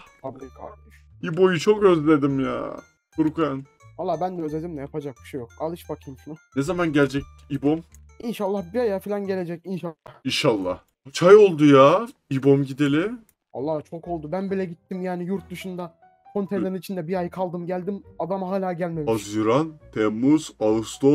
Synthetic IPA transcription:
fʰablʲikʰa̰lˠɯʃ | ibo̞jut͡ʃʰok̚ɟøzd̪ed̪imja̰ː | kʰuɾukʰjan | halˠːaːbænd̪ɛøzed̪imd̪ɛjapʰad͡ʒak̚bi̥ʃejokalˠɯʃbakʰɯjmʃununezamanɟælʲd͡ʒɛc̚ | ibom | inʃalˠːahbiajafilʲanɟe̞lʲe̞d͡ʒɛcinʃalahinʃalˠːah | t͡ʃʰajo̞lˠd̪ujaibo̞mɟid̪e̞lʲɪ | a̰lˠːaːt͡ʃʰoko̞lˠd̪ubænbilʲɛɟit̪ʰːimjaːnijuɾt̪̚d̪uʃund̪a | kʰo̞nt̪ʰelʲeɾinit͡ʃʰind̪ɛbiajkʰalˠd̪ɯmɟælʲd̪imad̪amaɦaːlʲaːɟælʲmemazjuɾant̪ʰɛmːuz̥alˠɯst̪ʰo

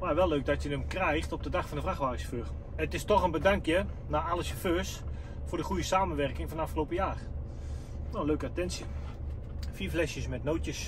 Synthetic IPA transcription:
ʋaːʋɛlˠːøːk̚dɔtjədəmkrɛjxtɔp̚dədaxfɔndəfraxʋaːrɪsføːr | ətɪstɔxənbədaŋkjə | naalˠəsəføːs | fʊːɹdəxujəsaːmənʋɛrkɪŋfɔndəafχəlowpəjaːr | noəløːkəatɛnsi | fiːflɛsjəsmɛtnowtjəs

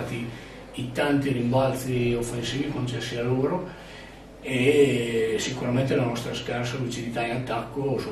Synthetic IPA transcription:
t̪iː | t̪ant̪irimbalt̪siofːensiːvikont͡ʃɛsːialoːɾo | e | sikuɾament̪elanɔst̪ɾaskarsalut͡ʃid̪it̪ainat̪ːakːosu

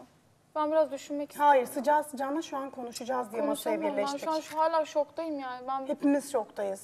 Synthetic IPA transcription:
bænbiɾazd̪yʃynmɛcshaːjiɾsɯd͡ʒasɯd͡ʒanaʃuankʰo̞nuʃud͡ʒazd̪ijenbaʃabileʃʃuanʃɦaːlʲaːʃokt̪ʰajɯmjaːnɪbænhepimiz̥t͡ʃʰokt̪ʰajɯz̥

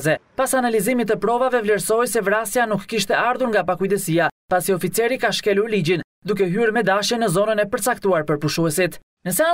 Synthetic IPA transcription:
zɛpasanalizimit̪əpɾɔvavɛvlɛɾsɔjsɛvɾasjanukːiʃt̪ɛaɾðuɾŋɡapakujd̪ɛsiapasiɔfit͡sɛɾikaʃkɛluɾlid͡ʑin | d̪uk̬ɛɦyɾmɛd̪aʃjənːəzɔnənɛpəɾt͡sak̚t̪uaɾpəɾpuʃuɛsit̪ | nəsɛa

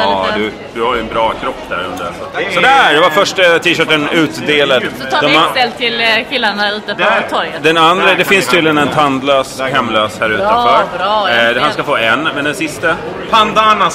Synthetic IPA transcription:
ɑd̪ɵ | d̪̥ɵhaɾjɵɛnbɾɑːkʰɾɔpːd̪æ̰ɾɵ̰nd̪əɾɛ̰s | sɔd̪ɛæɖ̪ɛvafœʂʈət̪ʰiːʃœːʈːənʉ̟ːt̪d̪eːlad̪d̪ɔmɛlt̪ʰːɪlkʰɪlːaɳaʉ̟ːt̪ət̪ʰːɔɾjəd̪ɛnand̪ɾəd̪ɛfɪnst̪ʰiyːd̪lɪjənɛnt̪ʰand̪løːshɛmːløːshæːɾʉ̟ːt̪əfaɾ | ɦanskafoːɛnːmɛnd̪ɛnsɪst̪ə | p̪ʰand̪ana

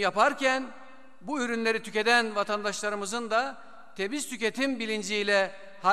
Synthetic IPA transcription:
japaɾcæn | buyɾynlʲe̞ɾit̪ʰyce̞d̪ænvat̪ʰand̪aʃlˠaɾɯmɯzɯnd̪a | t̪ʰe̞bizt̪ʰyce̞t̪ʰimbilʲind͡ʒijlʲɛ | ha

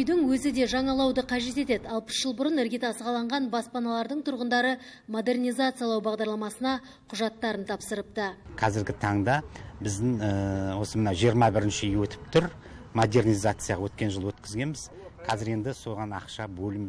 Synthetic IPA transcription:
ʏjd̪ɪŋwɵzɪd̪e̞ʒɑɴɑlˠɑwd̪əqʰɑʒe̞t̪e̞t̪e̞d̪ɑlˠpə̥sʒ̥əlˠbʊɾənɪɾɡʲet̪ɑsəʁɑlˠɑɴʁɑnbɑspɑnɑlˠɑɾd̪əɴt̪ʰʊɾʁənd̪ɑɾə | mo̞d̪e̞rnʲijzat̪sɨjalˠɑwbɑʁd̪ɑɾlˠɑmɑsənɑ | qʰʊʒɑt̪ːɑɾənt̪ʰɑpsəɾəp̚t̪əqʰɑzɪɾɡʲɪt̪ʰɑɴd̪ɑbɪzd̪ɪŋwo̞səmənɑwʒijəɾmɑbɪɾɪnʃɪjwɵt̪ʰɪ̥p̚t̪ʰʏɾ | mo̞d̪e̞rnijzat̪sɨjaʁɑwɵt̪kʲe̞nʒəlˠwɵt̪kʲɪzɡʲe̞nbɪz | qʰɑzɪɾe̞nd̪ɪso̞ʁɑnɑ̰qʃɑbɵlɪm

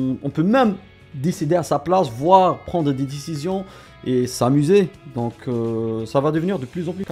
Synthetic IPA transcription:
ɔ̃pømɛm | d̪esid̪easaplasvwaːʁpχɑ̃d̪ʁəd̪ed̪esizjɔ̃ | esamyzed̪ɔ̃kʰøsavad̪əvəniʁd̪əplyzɑ̃plyka

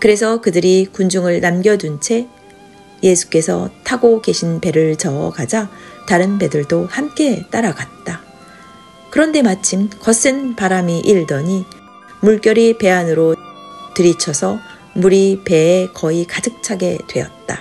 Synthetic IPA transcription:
kɯɾe̞s̬ʰʌkɯdɯɾikund͡ʑuŋɯɭnamɡjʌd͡ʑunt͡ɕʰe̞ | je̞sʰu̥k͈e̞sʰʌ̰tʰaɡoke̞ɕʰinpe̞ɾɯɭt͡ɕʌʌ̰ɡad͡ʑataɾɯnpe̞dɯɭdohamk͈e̞t͈aɾaɡat̚t͈a | kɯɾʌnde̞mat͡ɕʰimkʌs͈ʰɯnpaɾamiʔiɭdʌɲi | muɭk͈jʌɾipe̞anɯɾotɯɾit͡ɕʰʌsʰʌ | muɾipe̞ːkʌikad͡ʑɯk̚t͡ɕʰaɡe̞dwe̞̰jʌt̚t͈a̰

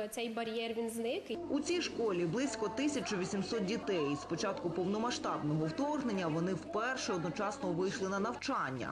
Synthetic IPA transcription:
t̪sɛjbɐɾʲjɛrʋʲinznɪkut͡sʲijʃkɔlʲiblˠɪsʲkɔt̪ɪsʲɐt͡ʃʊʋʲisʲimsɔt̪̚dʲit̪ɛjspɔt͡ʃɑt̪kʊpɔwnɔmɐʃt̪ɑbnɔɦɔwt̪ɔrɦnenʲːɐʋɔnɪwpɛrʃɛɔd̪nɔt͡ʃɑsnɔʋɪjʃlˠɪnɐnɐwt͡ʃɑnʲːɐ̰

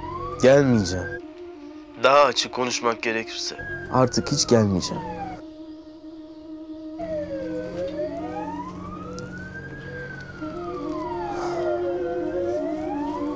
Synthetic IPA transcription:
ɟ̥ælʲmid͡ʒæm | d̪aɦaːt͡ʃʰɯkkʰːo̞nuʃmak̚ɟeɾɛcʰiɾsɛ̰a̰ɾt̪ʰɯkhit͡ʃɟælʲmid͡ʒæ̰m

